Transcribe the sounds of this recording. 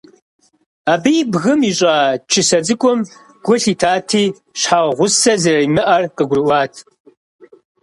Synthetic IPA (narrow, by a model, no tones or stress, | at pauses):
aːbijbɣɨmiɕʼaːt͡ʃʰɪsɐd͡zɨkʷʼʊm | ɡ̥ʷʊɬitʰaːtʰiː | ɕħaʁʷʊsɐzɐrɐimɨʔɐrqəɡʷrɨwʷɑːtʰ